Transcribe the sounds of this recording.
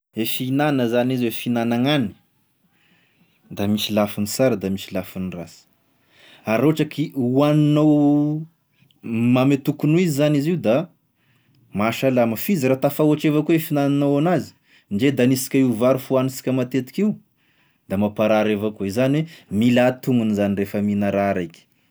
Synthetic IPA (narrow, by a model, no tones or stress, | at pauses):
efinanəzanizwefinanaŋani̥ | d̪amisilafinisaɾəd̪amisilafinira̰si̥ | aɾoʈ͡ʂakʰiuaninow | mamet̪ukunuizizaniziwd̪a | maʃalaməfiziɾat̪afauaʈ͡ʂevakuefinaninawanazi̥ | nd͡ʒed̪anisi̥kʲaiuvaɾufuanisi̥kʲəmat̪et̪i̥kiu | d̪̥amapaɾaɾevakuizanwemilat̪uŋunzaniɾefəminaɾaɾakʲi̥